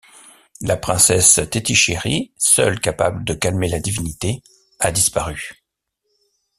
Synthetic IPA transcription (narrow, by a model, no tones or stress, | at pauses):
lapχɛ̃sɛst̪et̪iʃeʁisœ̰lkapa̰bləd̪əkalmelad̪ivinit̪e | ad̪ispaʁy